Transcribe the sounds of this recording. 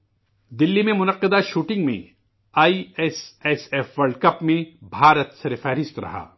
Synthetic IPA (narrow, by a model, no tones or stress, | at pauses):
d̪ɪlːimẽmʊnɐqːɪd̪aʃuːʈɪ̃ŋɡmḛ̃ | aːiɛsɛsɛfʋɐlɖkɐpmẽbʱaːɾət̪sɐɾfɛːɾɪst̪ɾɐ̰ɦa̰ː